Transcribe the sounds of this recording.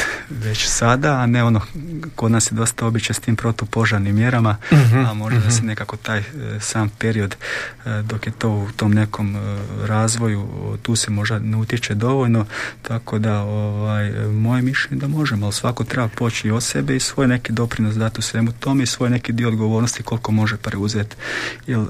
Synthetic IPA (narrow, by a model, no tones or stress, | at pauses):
ʋe̞t͡ɕsad̪aːneo̞noko̞d̪naːsjed̪o̞st̪ao̞bit͡ʃest̪iːmpɾo̞t̪opo̞ʒaɾnimːje̞ɾamaamo̞ʒd̪ad̪asene̞kako̞t̪aːjsaːmpe̞ɾio̞d̪d̪o̞kje̞t̪o̞ːut̪o̞mne̞ko̞mɾaːzʋo̞jut̪uːsemo̞ʒd̪aneut̪jet͡ʃe̞d̪o̞ʋo̞ʎno̞t̪ako̞d̪aoʋaːjmo̞jemiʃlʎe̞ɲed̪amo̞ʒemoalsʋakot̪ɾebapoːt͡ʃiot̪sebeisʋo̞ːjne̞kid̪o̞pɾinosd̪at̪usʋe̞mut̪o̞meisʋo̞ːjne̞kid̪ioːd̪ɡo̞ʋoːɾnost̪iko̞lko̞mo̞ʒepɾeuzet̪jel